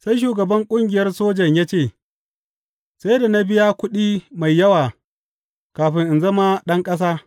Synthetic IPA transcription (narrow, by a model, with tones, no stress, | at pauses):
sa˦jʃ̬uː˨ɡɐ˨bɐ˦ŋkʷʼʊ˦ŋɡʲɪ˨jɐ˦rsoː˦d͡ʒɐ˨ɲjaː˦t͡ʃeː˦˨ | sa˦jda˨na˦bɪ˦ja˦kʷʊ˦ɗiː˦ma˨jːɐ˦waː˨ | kaː˨ɸɪ˦ŋʔɪ˨nzɐ˦ma˦ɗɐ˦ŋkʼɐ˦s̬aː˦